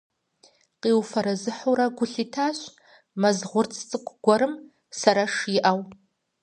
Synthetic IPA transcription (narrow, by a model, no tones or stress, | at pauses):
qiːwfɐɾɐzɨħuɾaɡʷʊɬiːtʰaːɕʷ | mɐzʁʷʊrt͡sʰʼt͡sʼɨkʷʰʼɡʷɔɾɨm | sɐɾaʂjɪʔaw